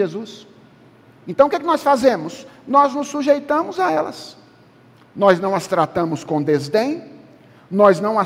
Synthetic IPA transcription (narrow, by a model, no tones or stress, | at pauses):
ezus | ẽnt̪ɐ̃w̃kɪkɪnɔsfazẽmʊsnɔznʊsːuʒejt̪ɐ̃mʊzaɛlɐ̰s | nɔznɐ̃w̃ɐst̪ɾat̪ɐ̃mʊskõd̪ezd̪ẽj̃ | nɔznɐ̃w̃a